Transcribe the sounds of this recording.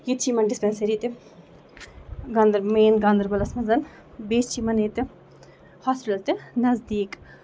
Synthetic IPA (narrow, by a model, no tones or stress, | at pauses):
jit̪t͡ʃʰiːmɐnɖispensɐɾiːt̪i | ɡɐnd̪ɐɾmeːnɡɐnd̪ɐɾbɐlɐsmɐnzɐn | beːst͡ʃʰimɐneːt̪ɨ | hɔːspilɐlt̪ɨnɐzd̪iːk